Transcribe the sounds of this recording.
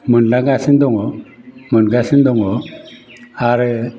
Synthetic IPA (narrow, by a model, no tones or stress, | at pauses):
mənlaɡasind̪ɔŋɔmənɡasind̪ɔŋɔ | aɾ